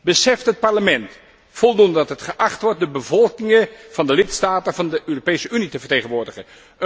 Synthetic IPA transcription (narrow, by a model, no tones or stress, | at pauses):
bəsɛftɦət̚paɹləmɛnt | fɔlˠdundədɑtɦətχəʔɑχtʋɔɹt̚dəbəvɔlˠkɪŋəv̥ɑndəlɪtstaːtəvɑndəʔøːropejsəynitəvəɹteːχənʋʊːɹdəχən | ə